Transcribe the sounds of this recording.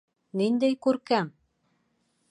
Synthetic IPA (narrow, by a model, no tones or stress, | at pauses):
nind̪æjkʉɾkæm